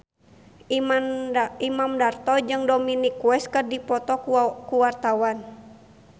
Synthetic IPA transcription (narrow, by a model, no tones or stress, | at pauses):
imamdart̪ɔd͡ʒɨŋdominikuwɛskɨrdipɔt̪ɔkuwart̪awan